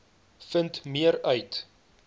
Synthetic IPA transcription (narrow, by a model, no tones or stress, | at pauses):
fəntmiəɾœɥt